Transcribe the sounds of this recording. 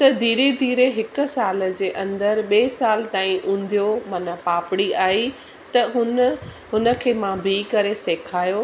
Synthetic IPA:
t̪ɐd̪ʱiːɾed̪ʱiːɾeɦɪkʊ̆saːl̆d͡ʑeːʔɐ̃nd̪əɾɓeːsaːlt̪aːĩʔũːn̆d̪ʱijomanapaːpɪɽiaːi | t̪ɐɦʊn | ɦʊnə̆kʰeːmãːbʱikɐɾeseːkʰaːjo

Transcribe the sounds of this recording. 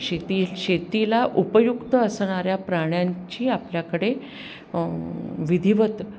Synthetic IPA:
ɕet̪iɕet̪ilaʔupəjukt̪əəsɳ̃aɾjapɾaɽ̃jaɲt͡ɕiːapljakəɽe | ʋid̪ʱiʋət̪

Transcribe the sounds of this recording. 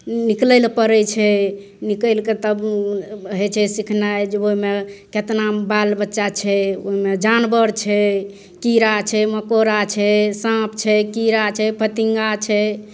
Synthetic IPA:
niklɛlpəɾɛt͡ʃʰɛ | nikəlket̪əb | ɦət͡ʃʰɛsikʰnajd͡ʒeoɦimeket̪nabalbətːʃat͡ʃʰɛoɦimed͡ʒanbəɾt͡ʃʰɛ | kiɾat͡ʃʰɛməkoɾat͡ʃʰɛsãpʰt͡ʃʰɛkiɾat͡ʃʰɛpʰət̪iŋɡat͡ʃʰɛ

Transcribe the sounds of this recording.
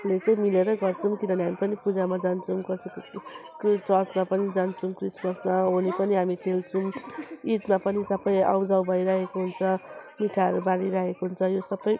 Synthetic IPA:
let͡sʌĩmileɾʌɡʌrt͡sʰumkinʌniɦamipʌnipud͡zamad͡zant͡sʰumkʌsikokt͡sʌsmapʌnid͡zant͡sʰumkrismʌsmaɦonipʌniɦamikʰelt͡sʰumiʈmapʌnisʌbʌja̰wd͡zawbʱʌjɾaɦekoɦunt͡sʰʌmiʈʰaɾubaɽiɾaɦekoɦunt͡sʰʌjosʌbːʌj

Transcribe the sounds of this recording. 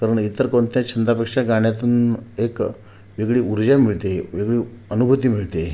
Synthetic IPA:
kaɾəɳit̪əɾkoɳt̪jat͡ɕʰənd̪ɾapekʂaɡaɳ̃jat̪uːnek | ʋiɡɭiːuɾd͡ʑamiɭt̪eʋiɡɭiːənubʱət̪iːmiɭt̪e

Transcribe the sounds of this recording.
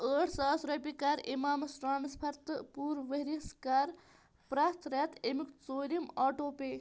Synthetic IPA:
əːʈʰsaːsɾɐpikaːɾimaːmɐsʈɾaːnspʰɐɾt̪puːɾʋɐɦɾiskaːɾ | pɾaːt̪ʰɾaːt̪emikt͡soːɾimaːʈoːpeː

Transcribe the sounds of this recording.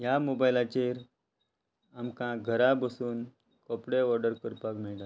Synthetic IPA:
jamobajlat͡ɕeɾ | amkãɡʱəɾabəsuːn | kɔpɽeɔɾɖəɾkəɾpakmeɭda

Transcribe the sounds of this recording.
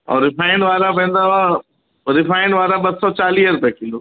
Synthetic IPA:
ɔ̰ːɾɪpʰaːɪɳɖʋaːɾapɛ̃ːn̆d̪aʋa | ɾɪfʰaːɪɳɖʋaːɾaɓɐssɔt͡ʃaːliːəɾpɛkĩnld̪o

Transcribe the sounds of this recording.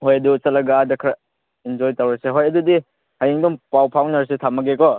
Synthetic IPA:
hojɐdusɐlɐɡaːdɐkʰɾa | ind͡ʒɔjtɐwɾeseɦojɐdudi | hajiŋdɔŋpawpʰawnɐɾs̬etʰamɐɡekɔ

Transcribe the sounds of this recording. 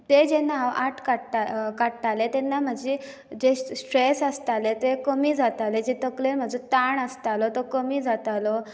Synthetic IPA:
t̪ed͡ʑenaʋaʈʰkaʈakat̪alet̪ɛnːam̤əd͡ʑe | d͡ʑesʈɾesəst̪alet̪ekəmiːd͡zʱat̪aled͡ʑet̪əklenm̤əd͡zut̪aɳəst̪alɔt̪ɔkəmiːd͡zʱat̪alɔ

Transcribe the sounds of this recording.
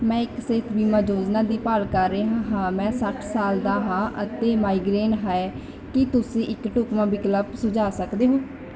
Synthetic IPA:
mɛ̃ːɪksek̪ʰbiːməːd͡ʒoːd͡ʒnaːd̪iːpaːlkəɾːeːɦãːɦãːmɛ̃ːsəʈʰsaːld̪aːɦãːʔət̪eːmaːiːɡɾeːɳɦaɛ | kɪt̪ʊsĩːʔɪkʈʊkmãːbɪkləbsʊd͡ʒaːsəkd̪eːɦõː

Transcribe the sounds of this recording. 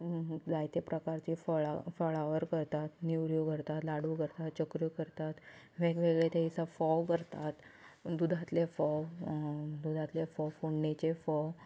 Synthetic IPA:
d͡zajt̪epɾəkaɾt͡ɕifɔɭafɔɭaʋəɾkəɾt̪at̪niʋɾjuɡʱəɾt̪at̪laɽukəɾt̪at̪t͡ɕəkɾjukəɾt̪at̪ | ʋekʋeɡɭet̪eisafɔkəɾt̪at̪d̪ud̪ʱat̪lefɔ | d̪ud̪ʱat̪lefɔfoɳːet͡ɕefɔ

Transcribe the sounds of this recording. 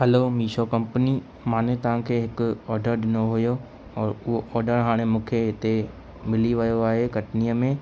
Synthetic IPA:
ɦɐlomiːʃokɐ̃mpəni | mãːnet̪ɐʋ̤ãkʰeːɦɪkʊɔːɾɖəɾɖɪnoɦʊjo | ɔːɾʊɦoʔɔːɾɖəɾɦaːɽ̃emũːkʰeɦɪt̪e | mɪliʋɐjoaːɦekɐʈnijəmẽː

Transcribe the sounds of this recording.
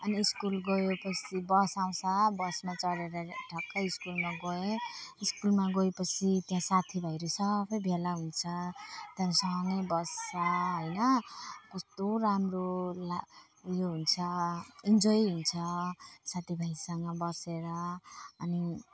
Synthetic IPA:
ʌniːskulɡoepʌt͡sʰibʌsaw̃sʌbʌsmat͡sʌɽeɾʌʈʰʌkːaiskulmaɡoeiskulmaɡoepʌt͡sʰit̪jãsat̪ʰibʱʌjɾosʌbʌjbʱelaɦunt͡sʰʌt̪ãnsʌŋʌjbʌsːʌɦojnʌkust̪oramrola | joɦunt͡sʰʌind͡zʌiɦunt͡sʰʌsat̪ʰibʱajsʌŋɡʌbʌseɾʌːni

